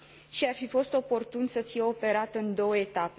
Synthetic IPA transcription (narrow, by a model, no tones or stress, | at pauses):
ʃiarfifo̞st̪o̞po̞rt̪unsəfijeo̞pe̞ɾat̪ɨnd̪o̞wəe̞t̪ape